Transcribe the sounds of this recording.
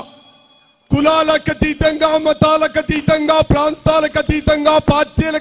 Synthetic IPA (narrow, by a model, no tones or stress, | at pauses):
kulaːlɐkɐt̪iːt̪ɐŋɡaːmɐt̪aːlɐkɐt̪iːt̪ɐŋɡaːpɾaːnt̪aːlɐkɐt̪iːt̪ɐŋɡaːpaːɾt̪iɐlɐ